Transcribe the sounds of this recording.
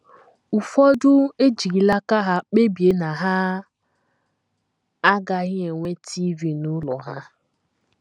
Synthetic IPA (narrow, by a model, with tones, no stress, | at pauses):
u˨fɔ˦dʊ˦e˦d͡ʒi˨ɾi˨la˦ka˦ɦa˦k͡pe˦bje˨na˨ɦa˦ | a˦ɡa˨ɣɪ˦e˨ŋʷe˦tʰi˦vi˨nu˦lɔ˨ɦa˦